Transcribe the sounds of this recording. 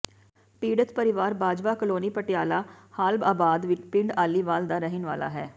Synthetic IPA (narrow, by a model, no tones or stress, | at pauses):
piːɽət̪pəɾɪʋaːɾbaːd͡ʒʋaːkəloːniːpəʈɪjaːlaːhaːlbaːbaːd̪ʋɪt͡ʃpɪ̃ɳɖaːliːʋaːld̪aːɾəɦɪnʋa̰ːla̰ːɦɛː